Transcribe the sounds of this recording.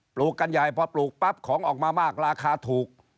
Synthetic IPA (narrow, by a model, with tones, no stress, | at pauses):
pluː˨˩kːa˧nja˨˩jpʰɔ˧pluː˨˩k̚pa˦˥p̚kʰːɔː˩˦ŋʔɔː˨˩k̚maː˧maː˥˩k̚ɾaː˧kʰaː˧t̪ʰuː˨˩k̚